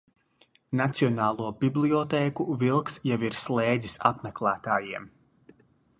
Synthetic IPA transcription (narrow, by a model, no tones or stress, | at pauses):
nat̪siɔnaːlˠuɔbʲiblˠiɔt̪ɛːkuvilˠksjaviɾslˠɛːd̪zisa̰pmɛklˠæːt̪aːjiɛm